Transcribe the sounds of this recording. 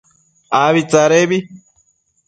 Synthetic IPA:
aβit͡saɾeβi

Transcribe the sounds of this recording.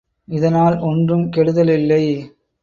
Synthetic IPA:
ɪðɐnaːlɔndrɯmkɛɽɯðɐlɪlːɐɪ

